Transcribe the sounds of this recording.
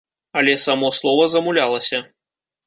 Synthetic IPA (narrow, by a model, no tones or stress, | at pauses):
ɐlʲɛsamɔslˠɔvɐzɐmulʲalˠɐsʲɐ